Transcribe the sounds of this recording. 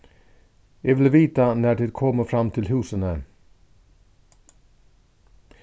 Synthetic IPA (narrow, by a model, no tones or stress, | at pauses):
jɑvɪlviːt̪anæɖɪd̪kʰɔmːəfɾamːt̪ʰɪlɦʉ̟ːsənə